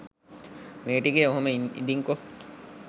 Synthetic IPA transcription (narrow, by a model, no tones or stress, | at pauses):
meːʈikeoɦomeḭd̪iŋko